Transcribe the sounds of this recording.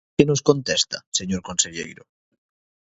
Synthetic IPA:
enoskont̪est̪a̰seɲoɾkonseʎḛjɾo

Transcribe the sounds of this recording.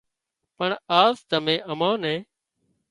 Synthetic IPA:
pəɳaːsd̪əmẽːʔəmãːnɛ̃ː

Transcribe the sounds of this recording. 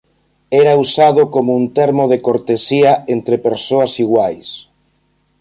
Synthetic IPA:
ɛɾausað̞ʊkomount̪eɾmoð̞ekoɾt̪esiaent̪ɾepeɾsoasiɣwajs

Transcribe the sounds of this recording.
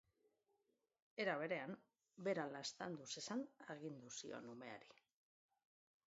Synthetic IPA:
e̞ɾaβe̞ɾe̞am | be̞ɾalast̪and̪use̞sanaɣ̞ind̪usio̞̰nume̞a̰ɾi

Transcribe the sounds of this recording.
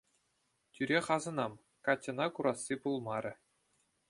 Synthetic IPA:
tʲyɾʲeχɑzɤ̆nɑm | kɑtʲːɤ̆nɑkuɾɑsːipulˠmɑɾʲɘ̆

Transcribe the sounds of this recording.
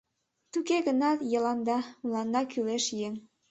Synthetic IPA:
t̪ukeɣənɑt̪jɤ̆lɑnd̪ɑmulɑnd̪ɑkyleʃjeŋ

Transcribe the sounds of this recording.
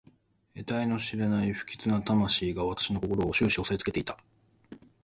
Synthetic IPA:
e̞t̪aino̞ɕiɾanaiɸɯ̟̥kʲi̥t͡sɨnat̪amaɕiːɡaβat̪ḁɕino̞ko̞ko̞ɾo̞ːɕɨːɕio̞sait͡sɨ̥ke̞t̪e̞i̥t̪ḁ

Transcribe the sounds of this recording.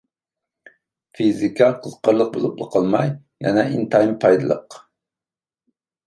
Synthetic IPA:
fizikʰɑqʰəzqɑɾlˠəq̚bolˠup̚lˠəqʰɑlˠmɑj | mɛ̰nɛʔint̪ʰɑjmpʰɑjd̪ɨlˠə̰q

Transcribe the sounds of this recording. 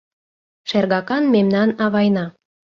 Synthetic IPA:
ʃerɣɑkɑnmemnɑnɑβɑjnɑ

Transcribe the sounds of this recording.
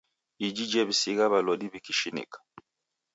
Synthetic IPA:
id͡ʒid͡ʒɛβisiɣaβalɔdiβikiʃinḭkḁ

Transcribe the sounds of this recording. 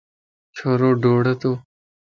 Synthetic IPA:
t͡ʃʰoːɾoːɖoːɽɐt̪oː

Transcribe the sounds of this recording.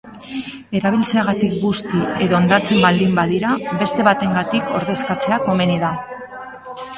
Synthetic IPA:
e̞ɾaβ̞ilt͡se̞aɣ̞at̪ik̚ɡust̪ie̞ðo̞ːnd̪at͡se̞mbald̪imbaðiɾaβe̞st̪e̞βat̪e̞ŋɡat̪iko̞̰ɾðe̞skat͡se̞ako̞me̞niða

